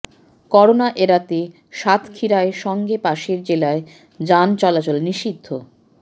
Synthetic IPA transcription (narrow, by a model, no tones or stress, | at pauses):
kɔɾonaʔeɾat̪e | ʃat̪ʰkʰiɾaeʃɔŋɡepaʃeɾd͡ʑelae | d͡ʑant͡ɕɔlat͡ɕolniʃid̪ʱːo